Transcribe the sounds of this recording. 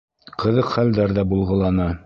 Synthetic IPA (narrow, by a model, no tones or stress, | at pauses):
qɤ̆ðɤqχæld̪æɾðæbulˠʁɤ̆lˠɑnɑ